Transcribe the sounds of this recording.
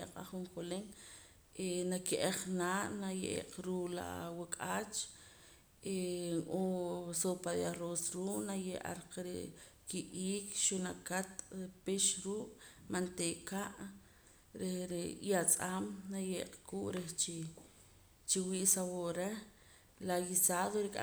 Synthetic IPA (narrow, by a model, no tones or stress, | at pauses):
eqʼa̰χuŋkoleŋ | ʔenakiʔeχnaːʔnajeʔḛqɾuːʔla̰wakʼaːt͡ʃ | eosopaðiaɾoːsɾuːʔnajeʔa̰ɾqɾḛ | kiʔiːkʃunakat̪peʃɾuːʔʼmant̪eːʔkaʔ | ɾehɾejat͡sʼamnajeːqkuːʔɾeht͡ʃi | t͡ʃiwiːʔsawoʔɾe | lajisaːðoɾikʼa̰